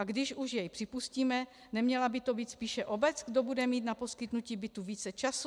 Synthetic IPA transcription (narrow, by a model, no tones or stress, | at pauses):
aɡdɪʃuʃjɛjpr̥ɪpusciːmɛ | nɛmɲɛlabɪt̪o̞biːt̪spiːʃɛʔo̞bɛt͡sɡdo̞budɛmiːt̪napo̞skɪt̪nuciːbɪt̪uviːt͡sɛt͡ʃas